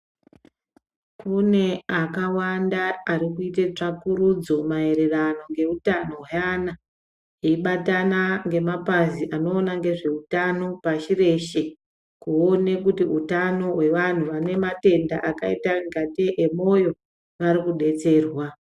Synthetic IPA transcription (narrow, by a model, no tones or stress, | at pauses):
kune̞akawandaːɾikuitet͡ʂakuɾud͡zo̞mae̞ɾe̞rano̞ŋɡe̞utano̞ɦjana | eiɓatanaŋɡe̞mapaziʔano̞ːnaŋɡe̞ʐe̞utano̞paʃire̞ʃe̞ | kuone̞kutiutano̞ɦwe̞ʋan̤uʋane̞mate̞ndaʔakaitaŋɡateʔemo̞jo̞ | ʋaɾikuɗe̞t͡se̞ːrwa